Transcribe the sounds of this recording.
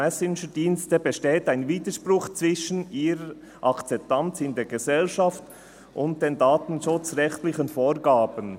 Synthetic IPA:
ɛsɪnʃədiːnstəbeʃteːtaɪnviːdəʃprʊχt͡svɪʃən̩iːɾə | ʔɑkt͡sɛp̚tant͡sɪndeːɡezɛlʃɑft | ʊnt̚d̥eːndaːtn̩ʃʊt͡sʁɛxtlɪçənfoːɾɡaːbən

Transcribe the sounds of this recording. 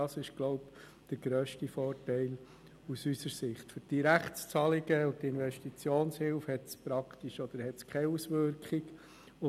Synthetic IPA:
ɑsɪʃɡ̥lɔʊp | d̥əɾɡɾœːʃtifɔːrtæɪl | usysəɾsɪχtføɾd̥iɾæχst͡sɑlɪɡəʊtɪnʋɛʃtit͡sjoːnshɪlfhɛtspɾɑkt̪iʃɔd̪̥əɾhɛtskʰɛusʋʏɾkχiɡ | ʊ

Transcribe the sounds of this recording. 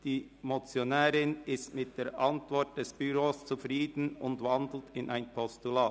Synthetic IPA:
d̥iː | mot͡sjonɛːɾɪnɪstmɪt̚d̥eːɾʔɑntvɔɾt̚d̥ɛsb̥yʁoːst͡sufʁiːdn̩ʊndvɑndl̩tɪnʔaɪnpʰɔstulaː

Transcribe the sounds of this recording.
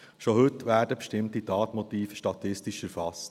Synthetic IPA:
ʃohɵtːʋæːɾdəpʃtɪmtitɑːtmɔtiːfə̥ʃtɑt̪ɪstiʃæɾfɑst

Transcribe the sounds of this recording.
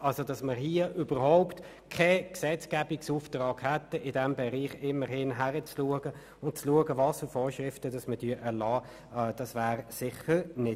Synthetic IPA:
ʔɑlsodɑsməɦiəʔybəɾɦɔʊpt | kʰɛksɛt͡skæbiksuːftʁɑːɡhɛt̪əɪdɛmbɛʁiːχɪməɾhɪnɦæʁət͡sluəɡə | ʊnt̚t͡sluəɡəvɑːsfʏfoːɾʃʁɪftədɑsmədyəʔɛɾlɑː | d̥ɑsvæːʁsɪχəʁnɪ

